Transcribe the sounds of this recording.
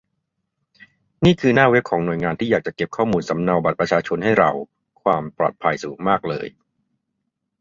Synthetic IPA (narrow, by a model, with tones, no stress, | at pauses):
niː˥˩kʰɯː˧naː˥˩we˦˥p̚kʰɔː˩˦ŋnu˨˩əjŋaː˧nt̪iː˥˩jaː˨˩k̚t͡ɕa˨˩ke˨˩p̚kʰɔː˥˩muː˧nsa˩˦mna˧wba˨˩t̪̚pɾa˧t͡ɕʰaː˧t͡ɕʰo˧nha˥˩jɾa̰˧w | kʰwaː˧mpɾɔ̰ː˨˩t̪̚pʰa˧jsuː˩˦ŋmaː˥˩k̚lɤ̰ː˧j